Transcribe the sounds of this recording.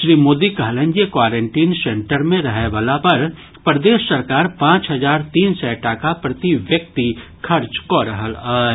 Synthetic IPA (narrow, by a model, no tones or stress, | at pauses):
ʃɾiːmoːd̪ikaːlə̃ɲd͡ʒekwaːɾẽːɳʈiːnsẽɳʈəɾmẽɾɐɦɛʋaːlapɐɾ | pɾəd̪eːʃsɐɾkaːɾpãːt͡ʃɦɐzaːɾt̪iːnsɛʈaːkapɾɐt̪iʋjək̚t̪i | kʰɐɾt͡ʃkoɾəɦəlaː